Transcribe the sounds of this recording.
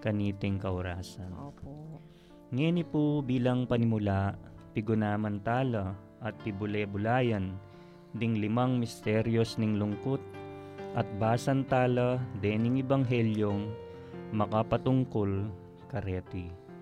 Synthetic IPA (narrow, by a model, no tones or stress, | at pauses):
kɐniːt̪ɪŋkɐʔʊɾaːsɐnː | ŋɛnɪpʊbiːlɐŋpɐnɪmʊlaʔpɪɡʊnaːmɐnt̪aːlɐ | ʔɐt̪̚pɪbʊlɛbʊlaːjɐn | d̪ɪŋlɪmɐŋmɪst̪ɛɾjosnɪŋlʊŋkot̪̚ʔɐt̪̚baːsɐnt̪aːlɐd̪ɛnɪŋɪbɐŋɦɛljoŋ | mɐkapɐt̪ʊŋkol | kɐɾɛːt̪ɪ